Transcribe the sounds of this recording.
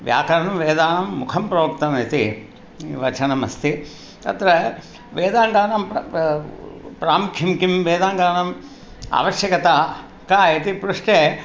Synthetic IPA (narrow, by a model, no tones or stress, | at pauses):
ʋja̰ːkɐɾɐnɐmʋeːd̪aːnɐmːukʰɐmpɾɐʋɐk̚t̪ɐmit̪i | ʋɐt͡ʃɐnɐmɐ̰st̪ʰi | t̪ɐ̰t̪ɾɐ | ʋeːd̪aːŋɡaːnɐm | pɾaːmukʰjɐmkimʋeːd̪aːŋɡaːnɐm | a̰ːʋɐʃjɐkɐt̪a | kaːit̪ipɾuʂʈeː